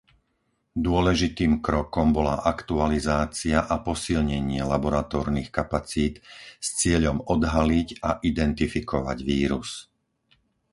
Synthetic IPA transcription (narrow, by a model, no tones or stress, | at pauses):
d̪ʊɔlɛʒit̪iːmkɾɔkɔmbɔlaʔakt̪ualizaːt͡siaʔapɔsilɲɛɲɪɛlabɔɾat̪ɔːɾnixkapat͡siːt̪st͡sɪɛʎɔmɔd̪ɦaliɟaʔid̪ɛnt̪ifikɔʋa̰ɟʋiːɾus